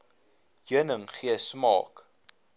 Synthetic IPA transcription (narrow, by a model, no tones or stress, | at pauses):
juənəŋχiəsmɑ̰ːk